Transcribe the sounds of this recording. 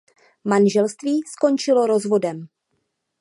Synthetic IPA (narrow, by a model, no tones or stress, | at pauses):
manʒɛlst̪viːsko̞nt͡ʃɪlo̞ɾo̞zvo̞dɛm